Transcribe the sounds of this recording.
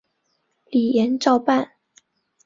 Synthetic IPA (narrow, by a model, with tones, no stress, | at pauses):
li˨˩jɛ˨˧˦nʈ͡ʂɑ˥˧ʊpa˥˨n